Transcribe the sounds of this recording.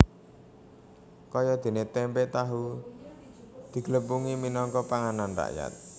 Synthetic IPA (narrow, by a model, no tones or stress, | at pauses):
kɔjɔd̪̥e̤net̪ɛmpet̪aɦu | d̪̥i̤ɡ̥ləpuŋiminɔŋkɔpaŋananra̰ʔja̰t̪̚